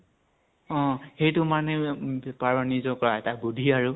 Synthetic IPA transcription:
ɔ̃xejtʊmanɛpaɹwanizɔkɔɹaɛtabudʱiaɹu

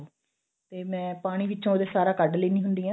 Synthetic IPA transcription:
t̪eːmɛ̃ːpaːɽ̃iːʋɪːt͡ʃõːd̪eːsaːɾaːkəɖliːnĩːɦʊnd̪iːãː

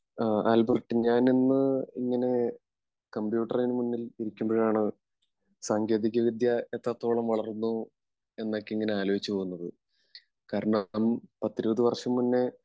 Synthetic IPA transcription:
aːlbɐrʈːɨɲaːninːɨiŋːɐne̞ | kɐmbjuːʈːɐrinɨmunːiliɾikʲːumboɻejaːɳɨ | saŋɡe̞ːd̪iɣʲɐʋid̪jɐet̪ːɐt̪ːoːɭɐmʋɐɭɐrnːu | e̞nːokːeiŋːɐne̞aːlo̞ːit͡ɕːɨpo̞ːɣunːɐðɨ | kaːɾɐɳɐmpɐt̪ːiɾubɐðɨʋɐrʂɐmːunːe

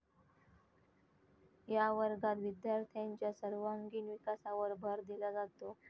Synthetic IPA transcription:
jaʋəɾɡat̪ʋid̪jaɾt̪ʰjãɲt͡ɕjasəɾʋaŋɡiːnʋikasaʋəɾbʱəɾd̪ilad͡zaɡ̚t̪o

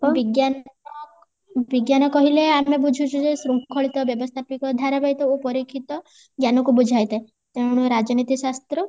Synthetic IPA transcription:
biɡjan | biɡjanɔkɔɦileameb̬ud͡ʒʱut͡ʃʰud͡ʒesɾukʰɔɭit̪ɔbjɔbɔst̪ʰapikɔd̪ʱaɾabajt̪ɔopɔɾikʰit̪ɔ | ɡjanɔkubud͡ʒʱajt̪e | t̪eɽ̃uɾad͡ʒɔnit̪isast̪ɾɔ

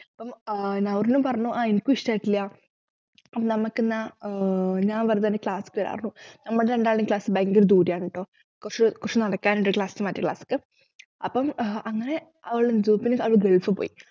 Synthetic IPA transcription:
ɐpːɐmnɐʋɐrnːumpɐrɐɲːuʔaːinkuistaːjiʈːilːja | ɐpːɐmnɐmɐkːɨna | ɲaːnʋɐrt̪ɐnːekɭaːsɨ̥kːoɾa̰ːrnːunɐmːɐɽeɳɖaːɭnːkɭaːsɨbeŋɡoɾd̪uːɾjaːɳɨʈːo̞ː | kurt͡ɕːukurt͡ɕunɐɽɐkːaːnenɖɨkɭaːsinɨmɐtːɐkɭa̰ːsɨ̥kːɨ | ɐpːɐmɐŋːɐne̞ | ɐʋɐɭɽed͡ʑuːpːinɨɐʋɭɡeɭfɨpo̰ːji

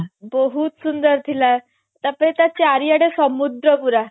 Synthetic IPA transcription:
bəɦuːt̪sund̪əɾt̪ʰila | t̪apet̪jat͡ɕeaɾijaɽesəmud̪ɾəpuɾa

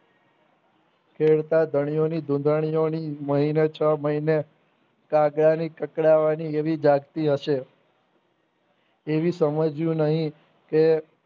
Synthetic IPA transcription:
kʰeɭt̪ad̪ʱəɳ̃ijonid̪ʱũd̪əɳ̃ijoniməɦinet͡ʃʰəməɦine | kãɡɽanikəkɽaʋanieʋid͡ʒaɡt̪iɦəʃe | eʋisəməd͡ʒjũnəɦĩ | ke

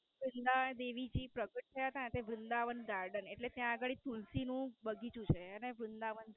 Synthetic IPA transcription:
ʋɾɪnd̪aənd̪eʋid͡ʒipɾəɡəʈ̚t̪ʰəjat̪ãt̪eʋɾɪnd̪aʋənɡaɾɖəneʈlet̪jãəɡəɭit̪ulsinũbəɡʱit͡ʃũt͡ʃʰeəneʋɾɪnd̪aʋənd̪

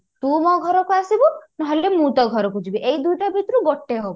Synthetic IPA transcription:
t̪ũmɔɡʱɔɾɔkuasibunɔɦelemũt̪ɔɡʱɔɾɔkud͡ʒibiʔejd̪ujʈabʱit̪ɾuɡoʈːeɦobɔ

